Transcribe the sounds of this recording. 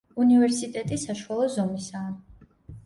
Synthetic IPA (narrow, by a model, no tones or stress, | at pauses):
univɛɾsit̪ʼɛt̪ʼisaʃuwalˠɔzɔmisaː